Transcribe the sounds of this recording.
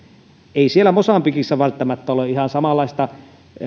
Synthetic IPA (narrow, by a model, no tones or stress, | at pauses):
eˑisielːˑæmosɑmpikisːæʋælt̪ːæmæt̪ːæoleʔʔihɑnsɑmɑlːˑɑˑist̪ɑ